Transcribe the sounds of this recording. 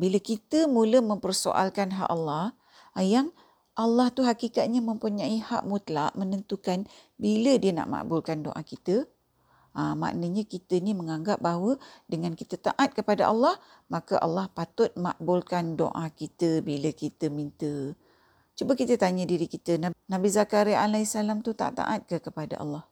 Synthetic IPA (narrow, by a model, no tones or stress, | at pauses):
biləkit̪əmuləmə̃mpərso̰ʔa̰lkanɦa̰ʔalːɑh | jaŋ | ʔalːaht̪uɦakikat̪̚ɲamə̃mpuɲãiha̰ʔmut̪laʔmənənt̪ukan | bilədiəna̰ʔma̰ʔbʊlkando̰ʔakit̪ə | əma̰ʔnəɲakit̪əniməŋaŋɡap̚bawədəŋãnkit̪ət̪a̰ʔat̪̚kəpada̰ʔalːɑh | makaʔa̰lːɑhpat̪ʊt̪̚ma̰ʔbʊlkando̰ʔakit̪əbiləkit̪əmint̪ə | t͡ʃubakit̪ət̪aɲədiɾikit̪ənanabizakaɾialaisalamt̪ut̪a̰t̪a̰ʔat̪̚kəkəpada̰ʔa̰lːɑh